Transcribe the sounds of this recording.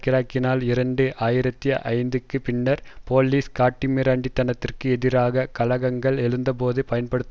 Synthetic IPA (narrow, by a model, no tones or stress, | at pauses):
kɪɾaːkːɪnaːlɪɾɐɳɖɯʔaːjɪɾɐt̪ːijɐʔɐ̰ɪnd̪ɯkːɯpɪɳːɐɾpoːlːiːskaːʈːimeɾaːɳɖit̪ːɐnɐt̪ːɪrkɯɛðɪɾaːɣɐkɐlɐɣɐŋɡɐɭɛlɯnd̪ɐp̬oːðɯpɐjɐnpɐɽɯt̪ː